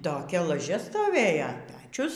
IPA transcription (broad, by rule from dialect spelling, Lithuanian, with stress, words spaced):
toːˈkʲɛ lˠɐˈʒʲɛ stoːˈʋʲeːjoː ˈpʲæːt͡ʃʲʊs